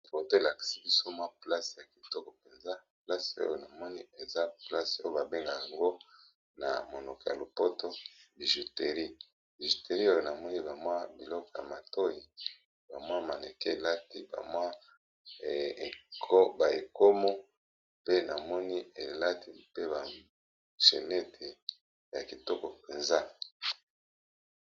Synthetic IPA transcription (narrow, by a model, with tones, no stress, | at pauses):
fo˨to˦e˨la˨ki̥˨si˦bi˦so˦mwa˦pla˦sja˨ki̥˨tɔ˦ko˨pe˨nza˦pla˦so̰˦jo˨na˨mɔ˦ni˦e˨za˦pla˦so˦o˦ba˨be˦ŋɡa˨ja˨ŋɡo˦ | na̰˨mo˨no˨ko˨ja˨lo˨po˦to˦bi˨ʒu˨te˨ʁi˦ | bi˨ʒi˨te˨ʁi˦o˦jo˨na˨mɔ˦ni˦ba˨mwa˦bi˨lɔ˦kɔ˨ja̰˨ma˨to˦ji˨ | ba˨mwa˦ma˨ne˨ke˦e˨la˦ti˦ba̰˨mwa˦˨ | kʰo˦ba˨e˨ko˦mo˦ | pe˦na˨mɔ˦ni˦e˨la˦ti˦pe˦ba˨ | ʃe˨ne˦tʰe˨ | ja̰˨ki˨to˦kɔ˨pe˨nza˦